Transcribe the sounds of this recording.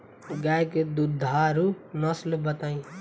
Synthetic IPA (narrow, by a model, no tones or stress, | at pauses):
ɡajked̪ud̪ʱaɾunʌslbət̪aĩ